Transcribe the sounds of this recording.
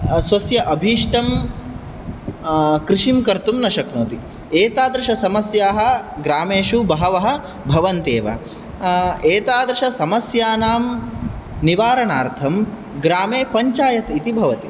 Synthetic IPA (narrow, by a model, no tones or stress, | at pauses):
sʋɐsjɐʔɐbʱiːʂʈɐm | kɾɪʂimkɐɾt̪umnɐʃɐknoːt̪i | eːt̪aːd̪ɾɐʂɐsɐmɐsjaːɦɐ̆ɡɾaːmeːʂubɐɦɐʋɐɦɐ̆ | bʱɐʋɐnt̪eːʋɐ̰ | eːt̪aːd̪ɾɐʂɐsɐmɐsjaːnaːm | niʋaːɾɐnaːɾt̪ʰɐm | ɡɾaːmeːpɐɲt͡ʃaːjɐt̪it̪ibʱɐʋɐt̪i